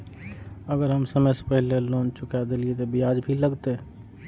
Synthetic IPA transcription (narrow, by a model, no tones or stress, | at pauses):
əɡəɾɦəmsəməjse̥pəɦileloːnt͡ʃʊkad̪eliet̪obiaːd͡ʒbʱiləɡt̪e